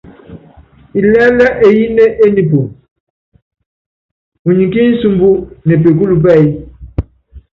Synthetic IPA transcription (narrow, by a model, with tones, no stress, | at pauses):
i˨lɛ˦lɛ˦ʔe˨ji˦ne˦ʔe˦ni˨p̬o˨ | u˨ɲi˨ki˦n̩˦su˨mbu˦nɛ˨p̬e˨k̬u˦lu˨p̬ɛ˦˨i˦